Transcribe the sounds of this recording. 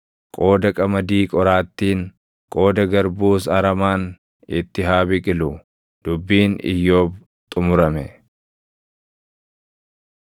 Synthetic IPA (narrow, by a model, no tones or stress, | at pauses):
kʼo̞ːd̪ɐkʼɐmɐd̪iːkʼɔɾaːt̪ːiːŋ | kʼo̞ːd̪ɐɡɐɾbuːsɐɾɐmaːn | ɪt̪ːɪɦaːbɪkʼɪlʊ | d̪̥ʊbːiːnɪ̰jːo̞ːb | t̪ʼʊmʊɾɐmɛ